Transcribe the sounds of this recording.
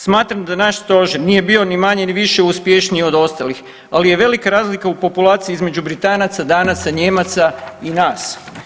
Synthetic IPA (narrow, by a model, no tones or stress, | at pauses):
smaːt̪ɾamd̪anaʃst̪o̞ʒiɾniːje̞bio̞nimaɲe̞niʋiʃeuspje̞ʃnio̞d̪o̞st̪alix | alije̞ʋe̞likaɾaːzlikaupo̞pulˠaːt̪siiizme̞d͡ʒubɾit̪aːnat̪sad̪aːnat̪saɲeːmat̪sainaːs